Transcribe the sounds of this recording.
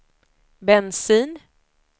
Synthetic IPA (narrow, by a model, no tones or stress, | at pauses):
bɛnsiːn